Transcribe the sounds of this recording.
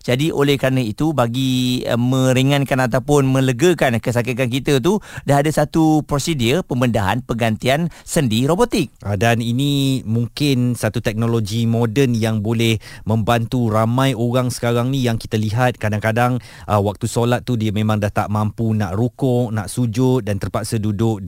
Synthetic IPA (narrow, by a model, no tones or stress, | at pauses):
d͡ʒadiʔolɛhkəɾanait̪ubaɡḭmə̃ɾiŋãnkanat̪awpʊnmə̃ləɡəkankəs̬akik̪ank̬it̪ət̪̬udaɦadasat̪upɾosidiəpəmbəndaɦa̰npəɡant̪iansəndiɾobot̪ɪk̚adaninimuŋkɪnsat̪ut̪ɛk̚noloɡimodənjaŋbolɛhmə̃mbant̪uɾamãjoɣaŋsə̥kaɾaŋnĩjaŋkit̪aliɦat̪̚kadaŋkadaŋ | ʔəwak̚t̪usolat̪̚ːudiəmẽmãŋdaht̪aʔmãmpunaʔrukɔʔnaʔsud͡ʒʊt̪̚dant̪ərpaksədudʊk̚